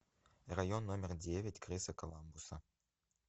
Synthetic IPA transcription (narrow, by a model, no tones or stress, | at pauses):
rɐjonːomʲɪrdʲevʲetʲkrɨsɐkɐlˠambusɐ